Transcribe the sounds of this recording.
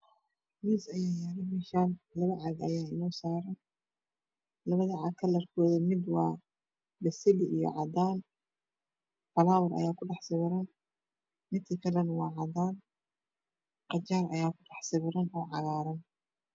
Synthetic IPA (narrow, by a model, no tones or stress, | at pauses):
miːsɐjaːjɐɾɐmɛʃaːnlɐβɐʕɑɡɐjaːɪnɔːsaːɾɐn | lɐβɐðɐʕɑkʰɐlɐrkʰɔːðɐmɪd̪wɑː | bɐsɪlɪʔijɔ̰ʕɑd̪aːn | fɐlaːwɐɾɐ̰jaːkʰʊɖɑħsɪβɪɾɐn | mɪnt̪ʰɐkʰɐlɐnwɑːʕɑd̪aːn | qɑt͡ʃaːrɐ̰jaːkʰʊɖɑħsɪβɪɾɐnɔːʕɑɣaːɾɐn